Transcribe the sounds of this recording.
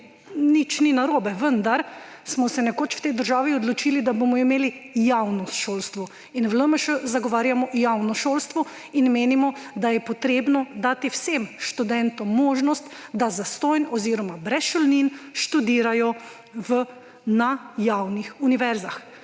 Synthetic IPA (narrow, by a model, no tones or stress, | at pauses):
nit͡ʃninaɾoːbɛʋənd̪aɾ | smɔsɛnɛkoːt͡ʃw̥t̪ɛjd̪əɾʒaːʋiɔd̪lɔt͡ʃiːlid̪abomɔimeːlijawnɔst̪ʃoːlst̪ʋɔ | inʋləməʃəzaɡɔʋaːɾjamɔjawnɔʃolst̪ʋɔ | inmeːnimɔd̪ajɛpɔt̪ɾeːbnɔd̪aːt̪iwsemʃt̪ud̪ɛnt̪ɔːɔːʒnɔst̪d̪azast̪ɔjnɔziːɾɔmabɾɛsʃɔlninʃt̪ud̪iːɾajɔ | ʋə | najawnixuniʋɛɾzax